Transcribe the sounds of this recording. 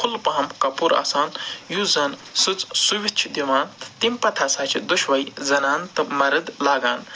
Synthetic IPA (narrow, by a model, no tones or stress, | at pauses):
kʰulpɐɦɐmkɐpuɾa̰ːsaːnjuzɐnsɨt͡ssuʋʲit͡ʃʰd̪iʋaːnt̪t̪impɐt̪ʰasaːt͡ʃʰid̪uʃʋɐjzɐnaːnt̪ɨmɐɾɨd̪laːɡaːn